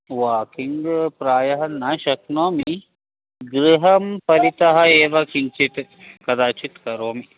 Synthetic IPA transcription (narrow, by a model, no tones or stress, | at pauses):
ʋaːkiŋɡpɾaːjɐɦɐnːaːʃɐknoːmi | ɡɾiɦɐmpɐɾit̪ɐɦɐeːʋɐkiɲt͡ʃit̪ | kɐd̪aːt͡ʃit̪kɐɾoːmi